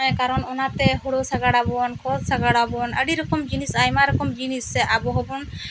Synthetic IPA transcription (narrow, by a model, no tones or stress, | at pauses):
ɔjkaɾɔnɔnat̪ɛɦuɽosaɡaɽabɔnkʰɔt̪saɡaɽabɔnə̰ɽiɾɔkɔmd͡ʒinisajmaɾɔkɔmd͡ʒinisɛʔabɔɦɔbɔn